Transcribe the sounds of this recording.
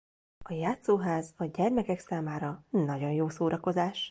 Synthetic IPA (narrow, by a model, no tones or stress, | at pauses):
ɒjaːt̪soːɦaːzɒɟɛrmɛkɛksaːmaːɾɒnɒɟo̞njoːsoːɾʔɒko̞zaːʃ